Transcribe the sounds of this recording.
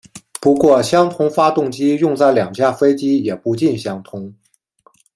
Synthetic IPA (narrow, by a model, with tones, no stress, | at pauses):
pu˧˥kwɔ˥˧˩ɕjɑ˥ŋt̪ʰʊ˥ŋfa˥t̪ʊ˥˩ŋt͡ɕi˥jʊ˥˧ŋt͡sa˥˩ɪljɑ˨˩ŋt͡ɕja˥˩fe˥ɪt͡ɕi˥jɛ˨˩pu˧˥t͡ɕi˥˩nɕjɑ˥ŋt̪ʰʊ˥ŋ